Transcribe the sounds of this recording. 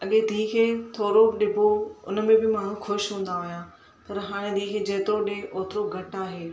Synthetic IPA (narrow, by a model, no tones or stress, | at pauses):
ɐɠed̪ʱiːkʰeːt̪ʰoːɾoɗɪbʱoʊ̰nmẽbɪmaːɳ̤ũxʊʃɦũːn̆d̪aɦʊjãː | pɐɾɦaːɽ̃ẽd̪ʱiːkʰeːd͡ʑeːt̪ɾoɗẽʔoːt̪ɪɾoɡʱɐʈaːɦeː